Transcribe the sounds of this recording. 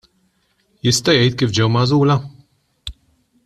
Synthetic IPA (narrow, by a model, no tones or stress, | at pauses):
jɪst̪ɐjɛjt̪̚kiːfd͡ʒɛwmɐzuːlɐ